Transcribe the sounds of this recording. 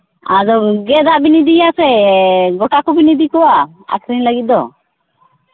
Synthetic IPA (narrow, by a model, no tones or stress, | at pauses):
a̰d͡ʒɔɡɛd̪aʔbinid̪iasɛɡɔʈakɔbinid̪ikɔwa | a̰kʰɾiɲləɡit̪̚d̪ɔ